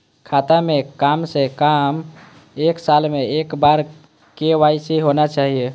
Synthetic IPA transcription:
kʰat̪amekamsekam | eksalmeekbaɾ | keʋaiseɦonat͡ʃaːɦije

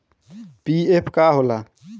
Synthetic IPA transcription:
piepʰkaɦola

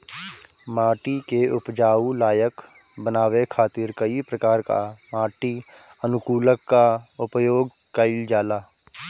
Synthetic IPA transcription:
maːʈikeʊpd͡ʒaːulaːjək | bənaːwekʰaːt̪ɪɾkəipɾəkaːɾka̰maːʈi | ənʊkuːləkːaʊpjoːɡ | kəɪld͡ʒaːlaː

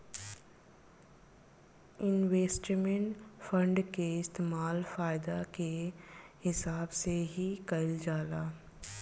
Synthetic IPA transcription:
ɪnʋeːsʈmẽɳʈfə̃ɳɖkeɪst̪eːmaːlfaːɪd̪akehɪsaːbseɦikɐld͡ʒaːlaː

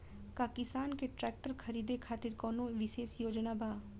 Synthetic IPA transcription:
kaːkɪsaːnkeʈɾɛːk̚ʈəɾkʰɐɾiːd̪ekʰaːt̪ɪɾkɔːnõʋɪʃeːʃjoːd͡ʒnabʱaː

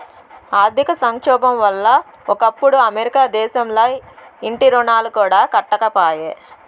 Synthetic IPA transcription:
aːɾd̪ʱikɐsɐŋkʂɔːbɐmʋɐlːɐ | ɔkɐpːuɽuɐmeɾikaːd̪ɛːʃɐmlɐjiɳʈiɾɔɳaːlukuːɽaːkɐʈːɐkɐpaːjeː

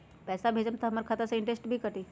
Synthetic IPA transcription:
pɛːsabʱeːd͡ʒənt̪ɐməɾkʰat̪asẽɪ̃ɳʈɾesʈbʱikɐʈ̪iː

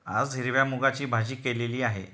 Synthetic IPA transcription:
a̰d͡zɦiɾʋjamuɡat͡ɕiːbʱad͡ʑiːkeleliːaɦḛ

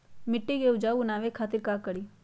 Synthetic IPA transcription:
mɪʈːiɡeʊd͡ʒaːunaːʋekʰaːt̪ɪɾkaːkəɽiː

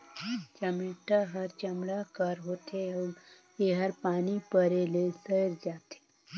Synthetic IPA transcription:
t͡ʃəmɪːʈaɦɐɾt͡ʃɐmɽakəɾɦoːt̪eɔ | jeɦəɾpaːnipəɾelesəɾd͡ʒaːt̪e̥ː

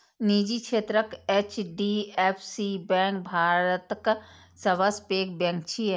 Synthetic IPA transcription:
niːd͡ʒikʃeːt̪ɾəkeːt͡ʃɖiːepʰsiːbɛ̃ːk̚bʱaːɾət̪k | sɐʋəspeːk̚bɛ̃ŋk̚t͡ʃʰi

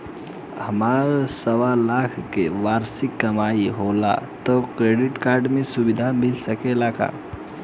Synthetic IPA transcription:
həmaɾsəʋalakʰkeʋaɾsikːəmaiɦola̰t̪ɔkɾeɖiʈkaɾɖmesubid̪ʱamilsəkelaka̰

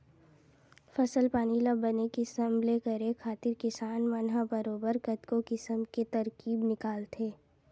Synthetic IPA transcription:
fɐsəlpaːniləbːənekisəmlekəɾekʰaːt̪ɪɾkɪsaːnmɐnɦəbəɾoːbəɾkət̪kokɪsəmket̪ɐɾkiːbnɪkaːlt̪ʰeː

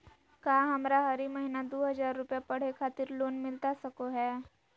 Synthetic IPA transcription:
kaːɦɐmɾaɦɐɾimɐɦinad̪oːɦɐzaːɾːʊpjapɐɽ̤ekʰaːt̪ɪɾloːnmɪlt̪asɐkoɦɛː

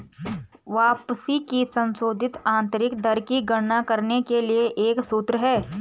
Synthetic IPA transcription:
ʋaːpsikisɐ̃nsoːd̪ʱɪt̪ãːnt̪ɾɪkd̪ɐɾkiɡɐɽnakɐɾnekelieʔeːksuːt̪ɾəɦɛː

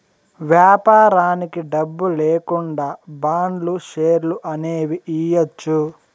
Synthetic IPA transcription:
ʋjaːpaːɾaːnikiɖɐbːuleːkuɳɖaːbaːɳɖluʃeːɾluʔɐneːʋiʔiːjɐt͡ʃːu

